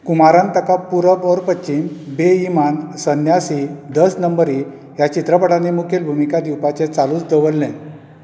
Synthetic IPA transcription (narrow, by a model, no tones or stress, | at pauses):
kumaɾãnt̪əkapuɾəbɔɾpəɕiːnbeimansənjasid̪əsnəmbəɾi | jat͡ɕit̪ɾəpəɽanimukʰelbʱumikad̪iwpat͡set͡saluːt͡sd̪əʋəlːẽ